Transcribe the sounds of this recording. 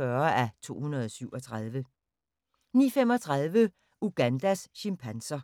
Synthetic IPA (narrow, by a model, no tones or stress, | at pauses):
ɶɐæt͡sʰo̝̰ːhunɐð̞ˠɒsyʊ̰ɒ̽t͡sʰʁað̞ˠʋə | nḭːfemɒ̽t͡sʰʁað̞ˠʋə | uɡ̥ænd̥æsɕimpʰænsɐ